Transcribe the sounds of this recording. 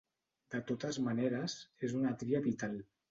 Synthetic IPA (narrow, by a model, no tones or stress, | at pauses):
d̪̥ət̪ot̪əzmaneɾəzezunat̪ɾiaβit̪al